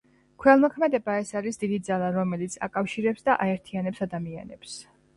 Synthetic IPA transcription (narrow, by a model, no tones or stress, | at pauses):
kʰwɛlˠmɔkʰmɛd̪ɛbaɛsaɾisd̪id̪id̪zalˠaɾɔmɛlit̪sʰa̰kʼafʃiɾɛpsd̪aʔaɛɾt̪ʰianɛpsad̪amia̰nɛps